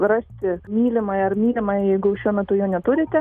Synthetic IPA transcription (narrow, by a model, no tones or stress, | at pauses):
rɑsʲt̪ʲɪmʲiːlʲɪmɐɪɐrmʲiːlʲɪmɐɪjɛɪɡʊʊʃʲuɔmʲɛt̪ʊjoːnʲɛt̪ʊɾʲɪt̪ʲɛ